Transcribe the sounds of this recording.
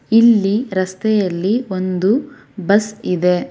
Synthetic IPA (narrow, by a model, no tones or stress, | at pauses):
ilːiɾɐst̪ɛjɐlːio̞nd̪u | bɐsid̪e̞